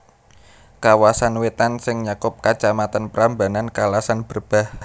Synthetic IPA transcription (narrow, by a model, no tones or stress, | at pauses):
kawasanwet̪ansɪŋɲakʊp̚kat͡ʃamat̪anpəɾambanankalasanb̥ərb̥a̤h